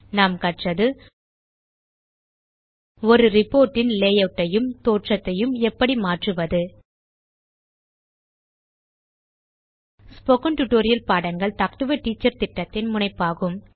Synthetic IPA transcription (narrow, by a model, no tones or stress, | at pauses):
naːmkɐʈrɐðɯ | ɔɾɯɾɪpːoːɾʈːɪnleːjɐʈːɐjɯmt̪oːʈrɐt̪ːɐjɯmɛpːɐɽimaːʈrɯʋɐðɯ | spoːkɐnʈʊʈoːɾɪjɐlpaːɽɐnɡɐɭt̪ɐkʈɯʋɐʈiːt͡ʃːɐɾt̪ɪʈːɐt̪ːɪnmʊɳɐɪpːaːɣɯm